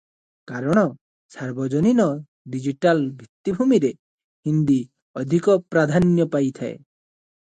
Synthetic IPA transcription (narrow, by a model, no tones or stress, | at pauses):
kaɾɔɽ̃ɔ | saɾbɔd͡ʒɔninɔ | ɖid͡ʒiʈalbʱit̪ːibʱumiɾe | hind̪i | ɔd̪ʱikɔpɾad̪ʱanjɔpajt̪ʰaḛ